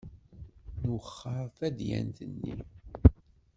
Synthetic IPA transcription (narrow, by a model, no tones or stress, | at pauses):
nəχːəɾˤθæd̪jæ̰nt̪ənːi